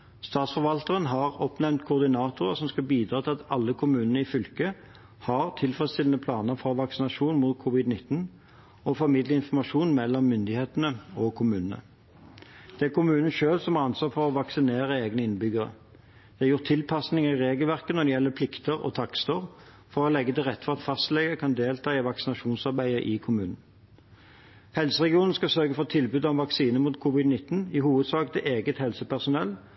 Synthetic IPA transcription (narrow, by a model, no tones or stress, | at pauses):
st̪ɑːt̪sfɔɾʋɑlt̪əʁənɦɑʁɔpnɛnt̪̚kʰʊʁd̪ɪnɑːt̪ʊʁəsɔmskɑlbiːd̪ɾɑːt̪ʰɪlɑt̪ɑlːəkʰʊmʉːnənəɪfʏlkə | hɑʁt̪ʰɪlfʁɛst̪ʰɪlənəpʰlɑːnəɾfɔɾʋɑksɪnɑʂuːnmut̪̚kʰʊʋɪd̪nɪt̪ːn̩ | ɔfɔɾmɪd̪ləɪnfɔʁmɑʂuːnmɛlːɔmːʏnd̪ɪheːt̪ənəɔkʰʊmʉːnənə̰ | d̪̥ɛæʁkʰʊmʉːnən̩ʃøːlsɔmɑɾʁɑnsʋɑːfɔʁɔʋɑksɪneːʁəeːɡnəɪnbʏɡəɾə̰ | d̪̥ɛɑjʊʁt̪ʰːɪlpʰɑsnɪŋɑɪʁeːɡəlʋæʁkənɔd̪ɛjɛlːəpʰlɪkt̪əʁɔ̰t̪ʰɑkst̪əʁ | fɔɾɔlɛɡːət̪ɪlʁɛt̪ːfɔʁɑt̪fɑst̪lɛɡəkʰɑnd̪eːlt̪ʰɑːɪʋɑksɪnɑʃuːnsɑʁbæɪəʔɪkʰʊmʉːnn̩ | hɛlsəʁɛɡɪuːnn̩skɑsœʁɡəfɔt̪ʰɪlbʉːd̪ɔʋɑksiːnəmuːt̪kʰʊːʋɪd̪nɪt̪ːn̩ɪhuːʋəd̪sɑːkət̪ʰɪʔeːɡət̪hɛlsəpæʁsʊnɛlː